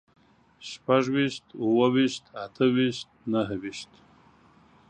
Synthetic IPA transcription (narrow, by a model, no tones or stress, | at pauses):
ʃpaʐwiʃt̪uwəwiʃt̪at̪ʰəwiʃt̪̚naɦwiʃt̪